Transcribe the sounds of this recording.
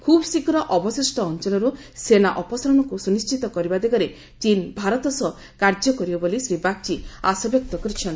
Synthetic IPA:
kʰubɔsikɾɔʔɔbɔsisʈɔːnt͡ʃɔlɔɾu | senaʔɔpɔsaɾɔnɔkusunist͡ʃit̪ɔkɔɾibad̪eɡaɾe | t͡ʃinbʱaɾɔt̪ɔsɔ | kaɾd͡ʒɔkɔɾibɔbolisɾibaɡ̚t͡ʃiasɔbjɔk̚t̪ɔkɔɾit͡ʃʰɔnt̪

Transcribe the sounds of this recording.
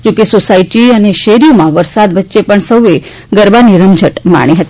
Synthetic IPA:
d͡ʒokesosaiʈiəneʃeɾimãʋəɾsad̪ʋətːʃepəɳsəwe | ɡəɾbaniɾəmd͡ʒʱəʈma̰ɽ̃iɦət̪i

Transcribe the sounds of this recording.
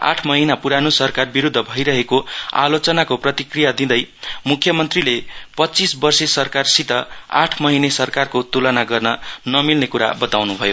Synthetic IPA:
a̰ʈʰmʌɦinapuɾanusʌrkarbiɾud̪ʱːʌbʱʌjɾʌɦekoa̰lot͡sʌnakoprʌt̪ikrijad̪ĩd̪ʌjmukʰjʌmʌnt̪rilepʌtːt͡sisbʌrsesʌrkarsit̪ʌa̰ʈʰmʌɦinesʌrkarkot̪ulʌnaɡʌrnʌnʌmilnekuɾa̰bʌt̪awnubʱʌjo

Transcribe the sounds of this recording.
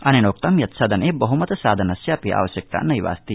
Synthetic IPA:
ɐnenoːk̚t̪ɐmjɐt̪sɐːd̪ʱɐneːbɐɦumɐt̪ɐsaːd̪ʱɐnɐsjaːpiʔa̰ːʋɐʃjɐk̚t̪a̰ːnɐjʋa̰ːst̪i

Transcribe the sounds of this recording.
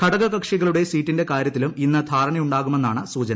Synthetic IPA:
kʰɐɽɐɣɐkɐkʂiɣɐɭuɽe̞siːtːinde̞kaːɾjɐt̪ːiluminːɐd̪ʱaːɾɐɳɐjuɳɖaːɣume̞nːaːɳɨsuːt͡ɕɐnɐ

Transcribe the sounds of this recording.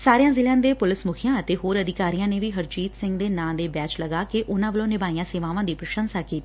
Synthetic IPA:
saːɾejãːzɪljãːd̪eːpʊlɪsmʊkʰɪjãːət̪eːɦoːɾəd̪ɪkaːɾijãːneːʋiːɦəɾt͡ʃiːt̪sɪ̃ŋɡd̪eːnãːd̪eːbɛːt͡ʃləɡaːkeʔʊnãːʋəlõːnɪbaːiãːseːʋãːʋãːd̪iːpɾəʃənsaːkiːt̪iː

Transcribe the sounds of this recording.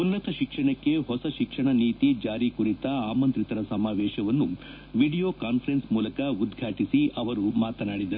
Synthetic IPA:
unːɐt̪ɐʃikʂɐɳɐkːe̞ɦɔsɐʃikʂɐɳɐniːt̪id͡ʒaːɾikuɾit̪ɐaːmɐnt̪ɾit̪ɐɾɐsɐmaːʋɛːʃɐʋɐnːu | ʋiɽijoːkaːnpʰɐɾensmuːlɐkɐud̪ɡʱaːʈisiʔɐʋɐɾumaːt̪ɐnaːɽid̪ɐɾu

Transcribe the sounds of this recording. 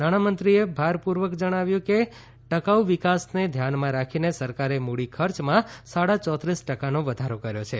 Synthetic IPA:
naɽ̃amənt̪ɾiebʱaɾpuɾʋəkd͡ʒəɽ̃aʋjũke | ʈəkauʋikasned̪ʱjanmãɾakʰinesəɾkaɾemuɽikʰəɾt͡ʃmãsaɽat͡ʃɔt̪ɾisʈəkanoʋəd̪ʱaɾokəɾjot͡ʃʰe

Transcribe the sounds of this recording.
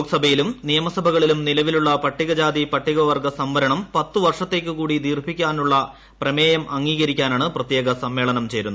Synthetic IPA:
ksɐbʱɐjilumnijɐmɐsɐbʱɐɣɐɭilumnilɐʋiluɭːɐpɐʈːiɣɐd͡ʑaːd̪ipɐʈːiɣɐʋɐrɡɐsɐmʋɐɾɐɳɐmpɐt̪ːɨʋɐrʂɐt̪ːe̞ːk̬ʲːɨkuːɽid̪iːrbʱikʲːaːnuɭːɐ | prɐmeːjɐmɐŋːiːɣɐɾikʲːaːnaːɳɨprɐt̪je̞ːɣɐsɐmːe̞ːɭɐnɐmt͡ɕe̞jɾunːu

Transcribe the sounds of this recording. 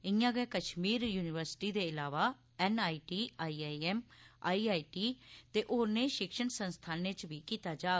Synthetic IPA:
ɪjãːɡɛːkəʃmiːɾjuːnɪʋəɾsʈiːd̪eːɪlaːʋaː | ɛːnaːiːʈiːaːiːaːiɛːmaːiːaːiːʈiːt̪eːʔoːnẽːʃɪkʃənsənst̪ʰaːneːt͡ʃʋiːkiːt̪aːd͡ʒaː

